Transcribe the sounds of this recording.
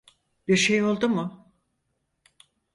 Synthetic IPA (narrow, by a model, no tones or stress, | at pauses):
b̥iɾʃejo̞lˠd̪umʊ